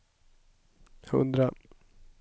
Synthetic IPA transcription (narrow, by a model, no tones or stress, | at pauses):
jaɵ̰nd̪ɾa